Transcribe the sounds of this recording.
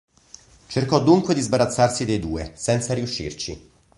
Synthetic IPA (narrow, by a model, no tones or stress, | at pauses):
t͡ʃerkɔd̪ːuŋkwed̪izbaɾat̪sːarsid̪ejd̪uːesɛnt̪saɾiuʃːḭrt͡ʃḭ